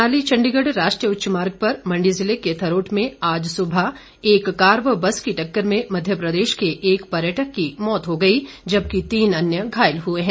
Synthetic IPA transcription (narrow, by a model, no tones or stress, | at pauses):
aːlit͡ʃɐ̃ɳɖiɡəɖɾaːʃʈɾijəʊtːʃmaːɾɡ̚pɐɾmɐ̃ɳɖizɪleket̪ʰɐɾoːʈmẽaːd͡ʒsʊbʱə | eːkːaːɾʋəbɐskiʈɐkːəɾmẽmɐd̪ʱjəpɾɐd̪eːʃkeʔeːkpɐɾjəʈəkːimɔːt̪ɦoɡɐid͡ʒɐb̚kit̪iːnɐnjəɡʱaːɪlɦueɦɛ̃ː